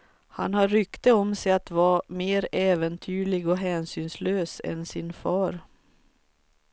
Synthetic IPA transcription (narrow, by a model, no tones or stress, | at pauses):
hanhaɾʏkt̪əɔmsɛjat̪vɑːmeːɾɛːvənt̪ʰyːɭɪɡɔɦɛːnsyːnsløːsɛ̰nsɪnfɑːɾ